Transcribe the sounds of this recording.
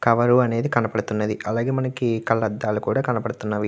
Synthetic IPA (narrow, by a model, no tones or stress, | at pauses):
kɐʋɐɾuɐne̞ːd̪ikɐnɐpɐɽut̪unːɐd̪iʔɐlaːɡe̞ːmɐnɐkikɐlːɐd̪ːaːlukuːɽaːkɐnɐpɐɽut̪unːaʋi